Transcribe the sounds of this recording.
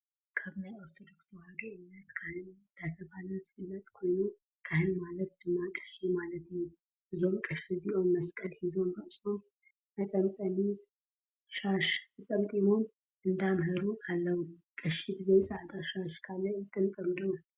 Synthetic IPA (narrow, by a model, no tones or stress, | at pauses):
kʰəβnajoɾt̪ʰod̪o̞ksohad̪oɨmnət̪kʰahɨn | d̪̥at̪ʰəbalənsɨfɨnːət̪ʼkʰo̞jnu | kʰahɨnmalət̪̚b̥ɨnːakʼɨ̥ʃimalət̪n | bɨzo̞mkʼɨʃiziʔo̞nməskʼəlhizo̞mɾəʔsʼom | mət̪ʼəmt̪ʼəmi | ʃaʃmɨt̪ʼəmt̪ʼimom | ʔɨnd̪amɦəɾuʔalːəwukʼɨʃibizensʼəat̪aʃaʃkʰalːət̪ʼːɨmt̪ʼəmd̪ow